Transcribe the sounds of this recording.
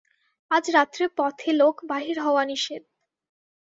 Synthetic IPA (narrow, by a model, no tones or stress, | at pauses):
ad͡ʑɾat̪ːɾepɔt̪ʰelokbaɦiɾɦɔoaniʃed̪̚